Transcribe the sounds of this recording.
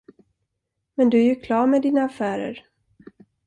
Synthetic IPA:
mɛnd̪ɵæɾjɵkʰlɑːɾmɛd̪iːnaafæːɾə̰ɾ

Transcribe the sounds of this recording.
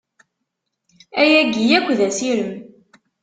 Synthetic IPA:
æjæɡijækʷːðæsiɾəm

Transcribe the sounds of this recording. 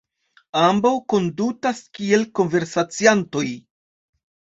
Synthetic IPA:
ambawko̞ndutaskie̞lko̞nve̞ɾsat͡sianto̞j

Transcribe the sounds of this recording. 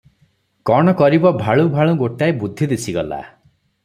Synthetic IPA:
kɔɽ̃ɔkɔɾibɔbʱaɭubʱaɭ̃ũɡoʈaebud̪ʱːid̪esʰiɡɔla̰

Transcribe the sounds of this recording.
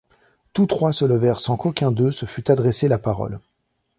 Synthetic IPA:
t̪ut̪χwasələvɛʁsɑ̃kokʲɛ̃d̪øsəfyt̪ad̪ʁeselapaʁɔ̰l

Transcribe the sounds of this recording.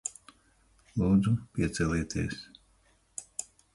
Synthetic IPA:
lˠuːd̪zupʲiɛt̪sʲɛlʲiːt̪ʰiɛs

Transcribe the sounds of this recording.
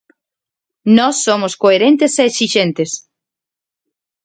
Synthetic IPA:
nɔsːomoskoeɾent̪eseːksiʃent̪es

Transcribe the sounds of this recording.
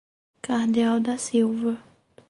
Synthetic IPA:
kahd̪iawd̪ɐsiwvɐ

